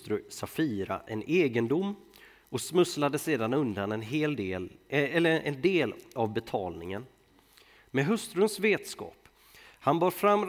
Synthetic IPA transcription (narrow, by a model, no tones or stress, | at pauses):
t̪ɾɵsafiːɾa̰ʔɛneːɡənd̪ʊmː | ɔsmɵslad̪əseːd̪anɵnd̪anɛnɦeːld̪eːlɛlːəɛnd̪eːlavbɛt̪ʰɑːlnɪŋən | mɛɦɵst̪ɾɵnsveːt̪skɑ̰ːp | hanbɑːɾfɾamːɾ